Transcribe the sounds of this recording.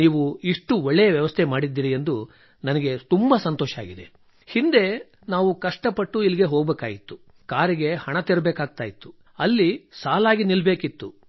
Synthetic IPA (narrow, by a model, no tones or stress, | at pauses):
niːʋuiʂʈuɔɭːɛjɐʋjɐʋɐst̪ʰemaːɽid̪ːiːɾie̞nd̪u | nɐnɐɡe̞t̪umbɐsɐnt̪ɔːʃa̰ːɡid̪e | hind̪e̞ | naːʋukɐʂʈɐpɐʈːuiliɡe̞ɦoːɡbeːkaːjit̪ːu | kaːɾiɡe̞hɐɳɐt̪eɾbeːkaːɡ̚t̪aːjit̪ːu̥ | ɐlːisaːlaːɡinilbeːkit̪ːu